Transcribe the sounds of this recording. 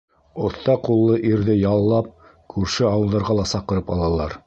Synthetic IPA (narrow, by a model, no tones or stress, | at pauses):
ŏθt̪ːɑqulˠːɤʔiɾðɘjɑlˠːɑp̚ | kʰʉɾʃɘɑwɤ̆lˠd̪ɑɾʁɑlˠɑsɑqɤ̆ɾɤpɑ̰lˠɑlˠɑɾ